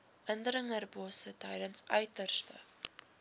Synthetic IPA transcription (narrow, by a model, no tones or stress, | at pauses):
əndəɾəŋərbuːsətɛjdənsœɥtərstə̰